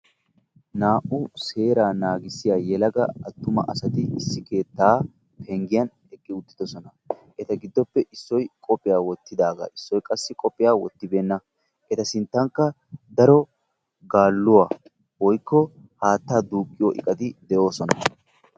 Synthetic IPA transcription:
naːʔʊse̞ːɾaːnaːɡɪsɪjaːjɛlɐɡɐɐt̪ːʊmɐ̰ʔɐsɐt̪ɪɪsːɪke̞ːt̪ːaː | pʰɛŋɡɪjɐn | ɛkʼːɪʊt̪ːɪ̥d̪ɔsɔnɐ | ʔɛt̪ɐɡɪd̪ːɔpːɛʔɪsːɔjkʼɔpʼːɪjaːwɔt̪ːɪd̪aːɡa̰ːɪsːɔjkʼɐsːɪkʼɔpʼːɪjaːwɔt̪ːɪbeːnːɐ | ʔɛt̪ɐsɪnt̪ːɐŋkːɐ | d̪ɐɾɔ | ɡaːlːʊwaː | wɔjkːɔ | haːt̪ːaːd̪uːkʼːɪjoːʔɪ̰kʼɐd̪ɪd̪ɛʔo̞ːsɔnɐ

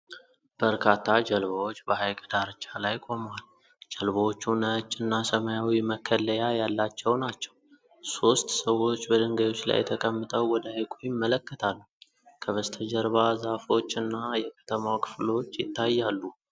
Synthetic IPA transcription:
b̥əɾkʰat̪ʰːad͡ʒəlβəwot͡ʃːbəhajkʼəd̪aɾɨt͡ʃʼalajkʼo̞mwal | d͡ʒəlbəwot͡ʃːunət͡ʃʼːɨnːasəmajawiməkʰːəlːəjajalːat͡ʃːɛwnat͡ʃːɛ̥w | so̞st̪səwːo̞t͡ʃːbəd̪əŋɡajo̞t͡ʃːla̰jt̪ʰəkʼəmːɨt̪ʼəwwɔd̪əajkʼujɪmːələkːət̪ʰalːu | kʰəβəst̪ʰəd͡ʒəɾβazafo̞t͡ʃːɨnːajɛkʰə̥t̪ʰəmawkʰɨ̥flot͡ʃːjɪt̪ʰːajːalːu

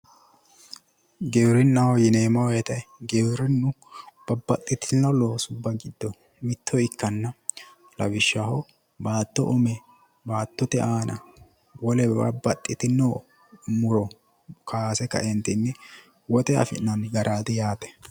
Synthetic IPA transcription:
ɡewɾɪnːɐhɔjɪneːmɐwɛːt̪ɐjɡewɾɛnːʊb̥ɐbːɐt̪ʼːɪt̪ɪnːɐloːsʊbːɐɡɪd̪ːɔ | mɪt̪ʰːɔɪkʰːɐnːɐ | lɐ̰wɪʃːahɔ | baːt̪ːɔ̰ʔʊmɛ | baːt̪ːɔt̪ɛʔaːnɐ̰ | wɔlɛbɐ̰bːɐt̪ʼːɪt̪ɪnːo | mʊɾɔ | kʰaːsɛkɐ̰ʔɛnt̪ɪnːɛ | wɔt̪ɛɐ̰fɪ̰nːɐnɡɐɾʔaːd̪ɛjaːt̪ɛ̥

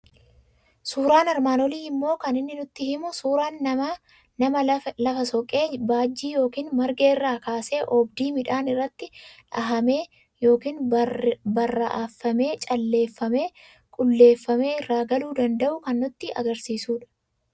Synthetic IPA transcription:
suːɾaːnɐɾmaːnɔliːɪmːo̞ːkɐnɪnːɪnʊt̪ːɪhɪmʊsuːɾaːnːɐɐ | nɐmɐlɐfɐsɔkʼe̞ːbaːd͡ʒːiːjo̞ːkiːnmɐɾɡe̞ːɪrːaːkaːse̞ːʔɔbd̪iːmɪᶑaːnɪrːɐt̪ːɪᶑɐɦɐmeː | jo̞ːkiːn | bɐrːɐʔaːfːɐme̞ːt͡ʃʼɐlːe̞ːfːɐme̞ː | kʼʊlːe̞ːfːɐme̞ːɪrːaːɡɐluːd̪ɐnd̪ɐʔʊkɐnːʊt̪ːɪʔɐ̰ɡɐɾsiːsuːᶑɐ̥

